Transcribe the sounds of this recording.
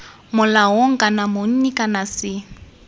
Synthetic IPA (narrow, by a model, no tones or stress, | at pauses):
mʊlaɦoŋ̩kʼanamʊn̩nikʼanasɪ